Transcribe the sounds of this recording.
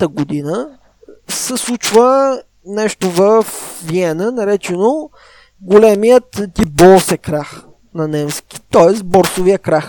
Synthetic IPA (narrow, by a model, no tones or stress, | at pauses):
t̪əɡod̪inə | sɛslˠut͡ʃvə | nɛʃt̪ovəfviɛnənɐɾɛt͡ʃɛno | ɡolɛmijət̪t̪ipbɔlˠsɛkɾax | nɐnɛmskʲi̥t̪ɔɛst̪bɔɾsʊvijəkɾax